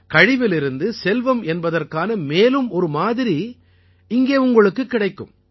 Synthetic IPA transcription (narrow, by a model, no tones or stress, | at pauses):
kɐɻɪʋɪlɪɾɯnd̪ɯsɛlʋɐmɛnbɐðɐrkaːnɐmeːlɯmɔɾɯmaːðɪɾi | ɪŋɡeːʊŋɡɐɭɯkːɯkːɪɽɐɪkːɯ̰m